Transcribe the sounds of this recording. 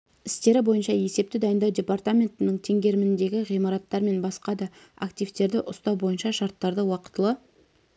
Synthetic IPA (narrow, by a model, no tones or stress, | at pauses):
ɪst̪e̞ɾɪbo̞jənʃɑje̞se̞p̚t̪ɪd̪ɑjənd̪ɑwdʲe̞part̪amʲe̞nt̪ɪnɪɴt̪ʰe̞ŋɡʲe̞ɾɪmɪnd̪e̞ɡʲɪʁijmɑɾɑt̪ːɑɾme̞nbɑsqɑd̪ɑakt̪ʲijft̪e̞ɾd̪ɪʔʊst̪ɑwbo̞jənʃɑʃɑɾt̪ːɑɾd̪əwɑqə̥t̪əlˠə